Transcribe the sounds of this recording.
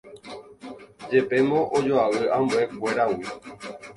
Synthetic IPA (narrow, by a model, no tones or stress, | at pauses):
d͡ʒe̞pe̞mõʔod͡ʒoaʋɨãmbue̞kʷe̞ɾawi